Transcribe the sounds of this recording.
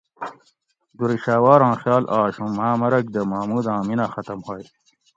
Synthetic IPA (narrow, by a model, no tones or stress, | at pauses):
d̪uɾiɕaːwaːɾãːxjɑːlʔaːɕũmaːmɐɾɐk̚d̪ɐmaːmuːd̪ãːminaxɐt̪ɐmhoːj